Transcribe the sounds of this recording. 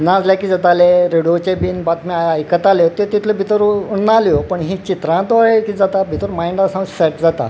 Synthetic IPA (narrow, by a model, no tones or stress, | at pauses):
nãd͡zlakiːd͡zat̪aleɾeɽijot͡ɕebiːnbat̪miajajkət̪aljot̪et̪it̪ʰləbʱit̪əɾunnaljopəɳɦĩːt͡ɕit̪ɾãt̪oaɦekid͡zat̪abʱit̪əɾmajɳɖasãŋsɛʈ̚d͡zat̪a̰